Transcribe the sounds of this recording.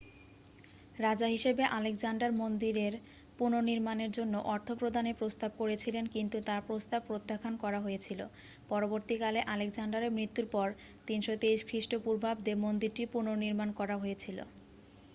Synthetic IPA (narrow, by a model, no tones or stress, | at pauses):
ɾad͡ʑaɦiʃebeʔaleksaɳɖaɾmond̪iɾeɾ | punoniɾmaneɾd͡ʑonːoʔɔɾt̪ʰopɾod̪ʱanepɾost̪ab̚koɾet͡ɕʰilenkint̪ut̪aɾpɾost̪ab̚pːɾot̪ːakʰankɔɾaɦojet͡ɕʰilo̰ | pɔɾoboɾt̪ikaleʔaleksaɳɖaɾemɾit̪ːuɾpɔɾ | t̪inʃot̪eiʃkʰɾiʃʈopuɾbʱabd̪emond̪iɾʈipunoniɾmankɔɾaɦojet͡ɕʰilo̰